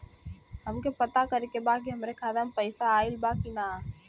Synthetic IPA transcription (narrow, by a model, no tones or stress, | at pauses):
ɦəmkepət̪akəɾekebak̬iɦɐmɾekʰaːd̪əmpəɪsaːɪlbakina